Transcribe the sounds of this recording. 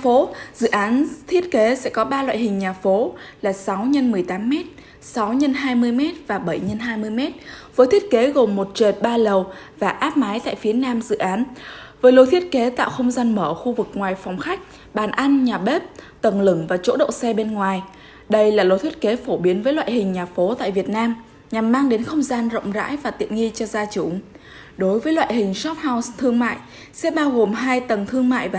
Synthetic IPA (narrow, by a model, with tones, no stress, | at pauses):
fo˨˦zɨ̰˧˨ʔaː˨˦nt̪ʰi˦˥ət̚ke˨˦sɛ̰˧˥kɔ˨˦ɓaː˧lwa̰ː˧˨jhï˨˩ŋ̟ɲaː˨˩fo˨˦laː˨˩sa˨˦wɲə˧nmɨ˨˩əjt̪aː˨˦mːɛ˦˥t̚ | sa˨˦wɲə˧nɦaː˧jmɨ˧əjmɛ˦˥t̚vaː˨˩ɓə˧˩jɲə˧nɦaː˧jmɨ˧əjmɛ˦˥t̚vəː˨˦t̪ʰi˦˥ət̚ke˨˦ɣo˨˩mːo˨˩t̚t͡ɕəː˨˩t̚ɓaː˧lə˨˩w | vaː˨˩ʔaː˦˥p̚maː˨˦jt̪a̰ː˧˨fi˨˦ənaː˧mzɨ̰˧˨ʔaː˨˦nvəː˨˦jlo˧˩t̪ʰi˦˥ət̚ke˨˦t̪a̰ː˧˨wxə˧wŋ͡mzaː˧nməː˧˩xu˧vɨ˨˩k̚ŋwaː˨˩jfa˨˩wŋ͡mxa˦˥jk̟̚ | ɓaː˧˩nʔa˧jŋ̟ɲaː˨˩ɓe˦˥p̚t̪ə˨˩ŋlɨ˧˩ŋvaː˨˩t͡ɕo̰˧˥ɗo̰˧˨sɛ˧ɓe˧nŋwaː˨˩j | ɗə˧jlaː˨˩lo˨˩t̪ʰi˦˥ət̚ke˨˦fo˧˩ɓi˨˦ənvəː˨˦jlwa̰ː˧˨hï˨˩ŋ̟ɲaː˨˩fo˨˦t̪a̰ː˧˨jvi˨˩ət̚naː˧m | ɲa˨˩mːaː˧ŋɗe˨˦nxə˧wŋ͡mzaː˧nzə̰˧˨wŋ͡mza̰ː˧˥jvaː˨˩t̪ḭ˧˨ənŋi˧t͡ɕɔ˧zaː˧t͡ɕu˧˩ | ɗo˨˦jvəː˨˦jlwa̰ː˧˨jɦï˨˩ŋ̟sɔ˦˥t̚ha˧wst̪ʰɨ˧əŋma̰ː˧˨jʔ | sɛ̰˧˥ɓaː˧wɣo˨˩mɦaː˧jt̪ə˨˩ŋt̪ʰɨ˧əŋma̰ː˧˨jvaː˨˩